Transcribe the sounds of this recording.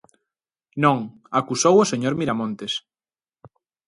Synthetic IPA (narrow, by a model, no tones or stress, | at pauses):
nõŋ | akusowoseɲoɾmiɾamõnt̪es